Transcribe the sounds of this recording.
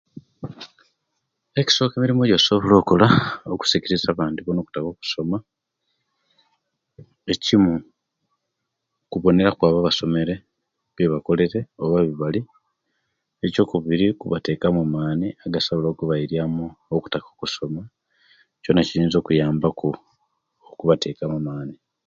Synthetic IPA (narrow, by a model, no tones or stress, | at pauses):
eci̥so̞ːkeːmiɾimojo̞soβolo̞ːkolaoku̥sikiɾizaːβaːntuβono̞ːku̥tako̞ːku̥so̞ma | ecimu | kuβo̞ne̞ɾakwaːβaβaso̞me̞ɾe̞ | βeβako̞le̞ɾe̞oβaβiβali | eco̞ːkuβiɾikuβate̞kamumaːniaɡasoβoloːkuβaiɾjamuːku̥takokuso̞ma | co̞ːnaciɾiːnzo̞ːkujaːmbaku | kuβate̞kamumaːni